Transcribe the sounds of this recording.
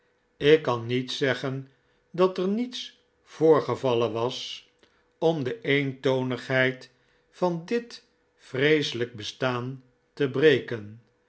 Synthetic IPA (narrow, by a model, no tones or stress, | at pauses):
ɪkːɑnitsɛχən | dɑtəɹnits | v̥ʊːɹχəvɑlənʋɑs | ɔmdəʔejntownəχɦɛjt | fɑndɪt | frejsələk̚bəstaːn | təbrejkən